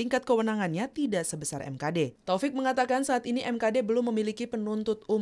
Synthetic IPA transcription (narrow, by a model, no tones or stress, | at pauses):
iŋkat̪̚kəwənaŋanɲat̪idaʔsəbəsarʔɛ̰mkadet̪ofɪk̚məŋat̪akansaːt̪iniʔɛmkadebəlʊmːəmilikipənunt̪ʊt̪̚u